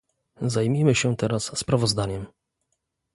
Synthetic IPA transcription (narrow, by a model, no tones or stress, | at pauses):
zajmʲimɘɕɛt̪ɛɾasːpɾavɔzd̪aɲɛm